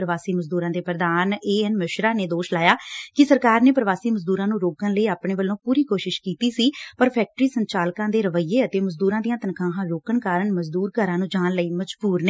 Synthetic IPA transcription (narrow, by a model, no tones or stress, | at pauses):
ɾəʋaːsiːməd͡ʒd̪uːɾãːd̪eːpɾəd̪aːneːɛnmɪʃɾaːneːd̪oːʃlaːjaːkɪsəɾkaːɾneːpɾəʋaːsiːməd͡ʒd̪uːɾãːnũːɾoːkənləiːaːpɳeːʋəlːõːpuːɾiːkoːʃɪʃkiːt̪iːsiːpəɾpʰɛːk̚ʈɾiːsəɲt͡ʃaːlkãːd̪eːɾəʋəiːeːət̪eːməd͡ʒd̪uːɾãːd̪ijãːt̪ənkʰãːɦãːɾoːkəɳkaːɾəɳməd͡ʒd̪uːɾkəɾãːnũːd͡ʒaːnləiːməd͡ʒbuːɾnəː